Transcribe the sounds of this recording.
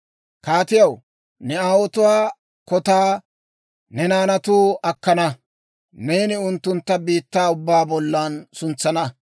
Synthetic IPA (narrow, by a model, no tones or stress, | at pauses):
kaːt̪ɪjɐw | nɛaːwɔt̪ʊwaː | kɔt̪aː | nɛnaːnɐt̪uːɐkːɐnɐ | neːnɪʊnt̪ːʊnt̪ːɐbiːt̪ːaːʊbːaːbɔlːɐːnsʊnt͡sːɐnɐ